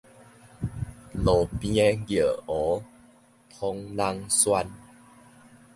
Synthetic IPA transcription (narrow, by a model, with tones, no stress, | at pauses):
lo˨˩pĩ˧ɛ˧˦ɡi˨ə˨ɔ˨˦ | pʰɔ˧ŋla˧ŋswa˧n